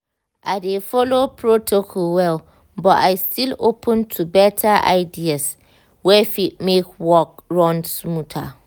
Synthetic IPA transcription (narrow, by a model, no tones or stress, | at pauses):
ʔadefɔlopʰɹotʰokʰɔlwɛl | bɔʔaɪstʰilopʰə̃ntʰubɛtʰaʔa̰ɪdias | wɛfit̚mekwɔk̚ɹɔ̃ndsmũtʰa̰